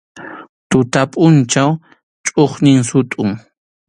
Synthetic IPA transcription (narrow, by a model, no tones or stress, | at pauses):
t̪ʊt̪apʼʊnt͡ʃaw | t͡ʃʼoχnɪŋsʊt̪ʼʊŋ